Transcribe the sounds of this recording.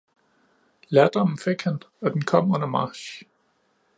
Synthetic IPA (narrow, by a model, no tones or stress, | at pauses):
læɐd̥ɒmn̩feɡ̥hæn | ɒ̽d̥enkʰɒ̽m̰ɔndɐmɑ̈ːɕ